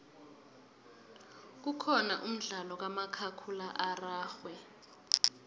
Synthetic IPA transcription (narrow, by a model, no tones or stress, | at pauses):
k̬ukʰɔnaʔum̩ɮalɔk̬amakʰakʰulaʔaraːxwɛ